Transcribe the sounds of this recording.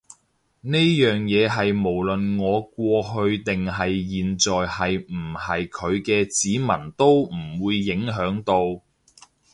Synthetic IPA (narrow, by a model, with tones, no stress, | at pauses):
ne˥jjœː˨ŋjɛː˨˧ɦɐ˨jmo˨˩wlɵ˨nŋɔː˨˧kʷɔː˧ɦɵ˧ɥt̪ɪ˨ŋɦɐ˨jjiː˨nt͡sɔː˨jhɐ˨jm̩˨˩hɐ˨jkʰɵ˨˧ɥkɛː˧t͡siː˨˥mɐ˨˩nt̪o˥wm̩˨˩wuː˨˧jːɪ˨˥ŋɦœː˨˥ŋt̪o˧w